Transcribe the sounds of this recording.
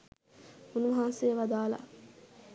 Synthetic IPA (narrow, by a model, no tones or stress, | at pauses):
unuʋɐɦansejəʋad̪aːla̰